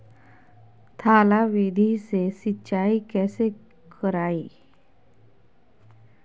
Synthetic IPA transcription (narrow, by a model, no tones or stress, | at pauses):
t̪ʰaːlaʋid̪ʱisesɪtːʃaːikɛːse | kəɾaːiː